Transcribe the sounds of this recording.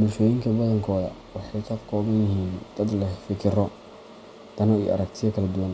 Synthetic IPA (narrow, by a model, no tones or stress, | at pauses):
bʊʃɛjɪŋkʰɐbɐðɐŋkʰɔːðɐwɑħɑjkʰɐkʰɔːβɐnjɪɦiːnd̪̥ɐd̪lɐfɪkʰɪɾɔ | d̪̥ɐnɔḭʔɐ̰ɾɐk̚t̪ʰɪðɐkʰɐlɐd̪ʊwɐn